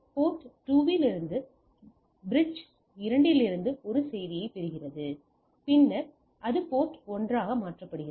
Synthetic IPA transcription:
poːʈʈːuːʋɪlɪɾɯnd̪ɯ | bɾɪt͡ʃ | ɪɾɐɳɖɪlɪɾɯnd̪ɯɔɾɯsɛjðɪjɐɪpɛɾɯɣɪrɐðɯ | pɪnːɐɾ | ʔɐðɯpoːʈɔndraːɣɐmaːʈrɐpːɐɽɯɣɪ

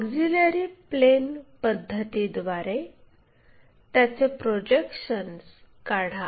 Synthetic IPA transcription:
ɡd͡ziləɾiplenpəd̪ʱːət̪id̪ʋaɾe | t̪jat͡sepɾod͡ʑekɕəns | kaɽ̤a

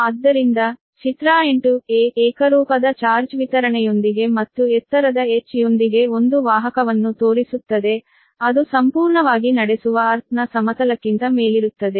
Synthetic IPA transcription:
ɐːd̪ːɐɾind̪ɐ | t͡ʃit̪ɾaːeɳʈueːɛːkɐɾuːpɐd̪ɐt͡ʃaːɾt͡ʃʋit̪ɐɾɐɳɛjo̞nd̪iɡe̞mɐt̪ːuɛt̪ːɐɾɐd̪ɐet͡ʃːijo̞nd̪iɡe̞o̞nd̪uʋaːɦɐkɐʋɐnːut̪o̞ːɾisut̪ːɐd̪e̞ | ɐd̪usɐmpuːɾɳɐʋaːɡinɐɽesuʋɐːɾt̪ʰnɐsɐmɐt̪ɐlɐkːint̪ɐmeːliɾut̪ːɐd̪e̞

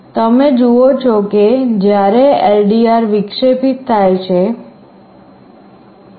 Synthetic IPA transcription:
t̪əmed͡ʒuot͡ʃʰoked͡ʒjaɾeelɖiaɾʋikʂepit̪ʰːajt͡ʃʰe

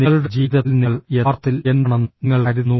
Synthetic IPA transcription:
niɭuɽed͡ʑiːðɐlniɭert̪ːilenːɐɳɐnːŋːɐɭkɐɾuːu

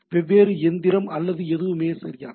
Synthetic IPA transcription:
ʋɛʋːeːɾɯɛnd̪ɪɾɐmɐlːɐðɯɛðɯʋɯmeːsɐ̰ɾɪja̰ː

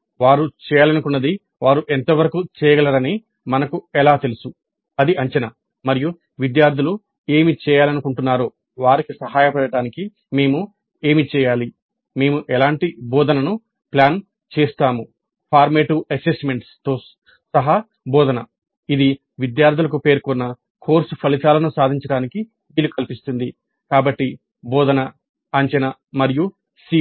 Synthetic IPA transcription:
ʋaːɾut͡ʃɛːjaːlɐnukunːɐd̪i | ʋaːɾuʔent̪ɐʋɐɾɐkut͡ʃɛːjɐɡɐlɐɾɐni | mɐnɐkuɛlaːt̪elusu | ɐd̪iʔɐɲt͡ʃɐnɐ | mɐɾiju | ʋid̪jaːɾd̪ʱilu | e̞ːmit͡ʃɛːjaːlɐnukuɳʈunːaːɾoː | ʋaːɾikisɐɦaːjɐpɐɽɐʈaːniki | me̞ːmu | eːmit͡ʃɛːjaːli | me̞ːmuʔɛlaːɳʈibɔːd̪ɐnɐnu | pljaːn | t͡ʃɛːst̪aːmu | pʰaːɾmeːʈuɐsesme̞ɳʈst̪o̞ː | sɐɦɐ | bɔːd̪ɐnɐ | id̪i | ʋid̪jaːɾt̪ʰilɐkupe̞ːɾkɔnːɐ | kʰo̞ːɾsupʰɐlit̪aːlɐnusaːd̪ʱiɲt͡ʃɐɽaːniki | ʋiːlukɐlipist̪und̪i | kaːbɐʈːi | bɔːd̪ɐnɐ | ɐɲt͡ʃɐnɐ | mɐɾiju | si

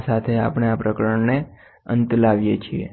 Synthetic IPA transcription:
sat̪ʰea̰pɳ̃eapɾəkɾəɳne | ə̰nt̪laʋjet͡ʃʰiḛ

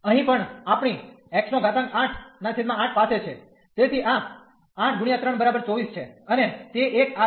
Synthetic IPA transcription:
əɦĩpəɳapɳ̃i | ɛkʃnoɡʱat̪ãŋkaʈʰnasʰit̪mãaʈʰpaset͡ʃʰe | t̪et̪ʰiʔa | aʈʰɡuɳijat̪ɾəɳbəɾabəɾt͡ʃɔʋist͡ʃʰeənet̪eʔːka

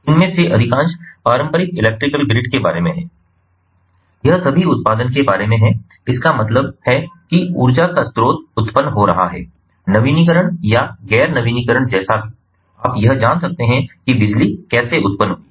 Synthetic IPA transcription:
ɪnmẽseʔɐɾɪkãːt͡ʃpaːɾə̃mpəɾɪkɪlɛːk̚ʈɾɪkəlɡɾɪɖkeba̰ːɾemẽɦɛ̃ː | jɐɦsɐbʱiʊt̪̚paːd̪ənkebaːɾemẽɦɛ̃ | ɪskamɐt̪ləbhɛkiṵːɾd͡ʒakast̪ɾoːt̪̚ʊt̪pənːɦoɾɐɦaɦɛ̰ː | nɐʋiːnik̬əɾəɽ̃jaɡɛːɾnɐʋiːnikəɾəɽ̃d͡ʒɛːsaɦɛ | aːpjɐɦd͡ʒaːnsɐk̚t̪eɦɛ̃kibɪd͡ʒlikɛːseʊt̪̚pənɦo

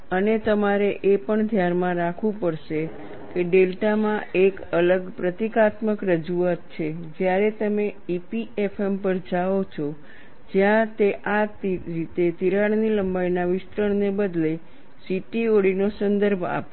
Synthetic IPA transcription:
ənet̪əmaɾeʔepəɳd̪ʱjanmãɾakʰʋũpəɽʃe | keɖelʈamãekələɡpɾət̪ikat̪məkɾəd͡ʒuat̪̚t͡ʃʰed͡ʒjaɾet̪əmeipiefʰempəɾd͡ʒaot͡ʃʰo | d͡ʒjãt̪eʔat̪ɾit̪et̪iɾaɽniləmbajnaʋɪst̪ɾəɳnebəd̪le | siʈioɽinosənd̪əɾbʱa̰po

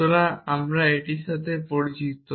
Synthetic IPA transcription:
oɾaamɾaeʈiʃat̪ʰepoɾit͡ɕikt̪o

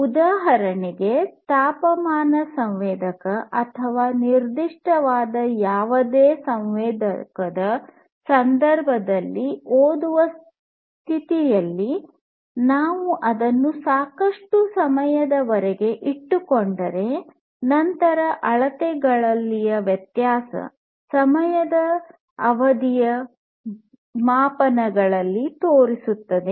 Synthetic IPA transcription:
ud̪aːɦɐɾɐniɡe̞t̪aːpɐmaːnɐsɐmʋɛːd̪ɐkɐʔɐt̪ʰɐʋaːniɾd̪iʂʈʰɐʋaːd̪ɐjaːʋɐd̪eːsɐmʋɛːd̪ɐkɐd̪ɐ | sɐnd̪ɐɾbʱɐd̪ɐlːioːd̪uʋɐs | t̪ʰit̪ijɐlːi | naːʋuʔɐd̪ɐnːusaːkɐʂʈusɐmɐjɐd̪ɐʋɐɾɛɡe̞ʔiʈːukoɳɖɐɾe̞ | nɐnt̪ɐɾɐʔɐɭɐt̪ɛɡɐɭɐlːijɐʋjɐt̪jaːsɐ̰ | sɐmɐjɐd̪ɐː | ʋɐd̪ijɐ | maːpɐnɐɡɐɭɐlːit̪oːɾisut̪ːɐd̪e̞

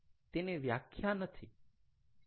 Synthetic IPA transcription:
t̪eneʋja̰kʰjanət̪ʰi

